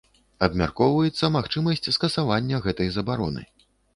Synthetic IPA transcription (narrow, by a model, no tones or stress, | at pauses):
ɐbmʲa̰rkɔwvɐjɛt̪sːɐmaxt͡ʂɨmɐsʲt͡sʲskɐsavanʲːɐɣɛt̪ɐjzɐbaɾɔnɨ̰